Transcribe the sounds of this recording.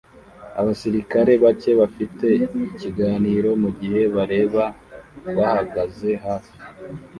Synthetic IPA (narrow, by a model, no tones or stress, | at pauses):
a̰βasiɾikaɾe̞βace̞βafite̞iciɡaːniːɾo̞muɟihe̞βaɾe̞ːβaβahaɡaze̞haɾo